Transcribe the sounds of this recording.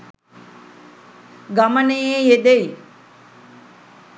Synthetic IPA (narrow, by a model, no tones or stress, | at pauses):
ɡamənejejed̪ej